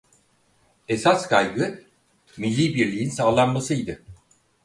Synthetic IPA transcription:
e̞saskʰajɡɯ | milʲːiːbiɾlʲijinsaːlˠanmasɯjd̪ɯ

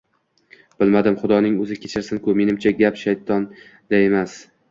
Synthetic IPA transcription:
b̥ɪlmad̪ɪmχʊd̪ɒnɪŋɵzɪkʲʰe̞t͡ʃʰɪɾsɪnkʊme̞nɪmt͡ʃʰaɡʲapʃajt̪ʰɒn | d̪ae̞mas

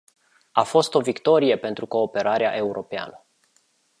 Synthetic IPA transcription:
afo̞st̪o̞vikt̪o̞ɾije̞pe̞nt̪ɾuko̞ːpe̞ɾaɾeaʔe̞uɾʔo̞pea̰nə

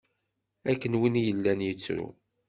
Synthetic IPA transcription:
ækːənwinjəlːænjət͡sːɾṵ

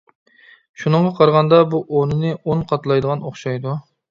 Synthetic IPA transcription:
ʃunɨɴʁɑqʰɑɾʁɑnd̪ɑbuʔonɨnɨonqʰɑt̪lˠɑjd̪əʁɑnoχʃɑjd̪u

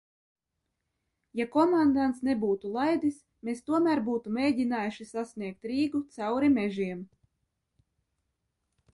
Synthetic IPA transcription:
jakɔmand̪ant̪snebuːt̪ulˠajd̪is | mest̪uɔmæːɾbuːt̪umeːɟʲinaːjuʃisasnʲiɛk̚t̪ɾiːɡut̪sawɾimɛʒiɛm

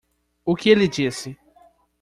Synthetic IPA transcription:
ʊkɪelɪd͡ʒisɪ

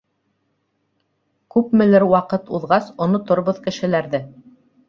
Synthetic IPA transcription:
kʉpmɘ̆lɘɾwɑqɤt̪uðʁɑsŏnŏt̪ŏɾβoðkɘ̆ʃɘ̆læɾðɘ

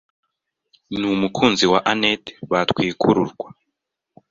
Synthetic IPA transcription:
numukʰuːnziwaʔanete̥βatwiːkʰuɾṵɾɡwa

